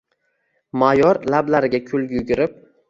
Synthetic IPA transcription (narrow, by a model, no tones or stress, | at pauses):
majɒɾlablaɾɪɡʲakʲʰʊlˠɡʲjʊɡʲɪɾɪp̚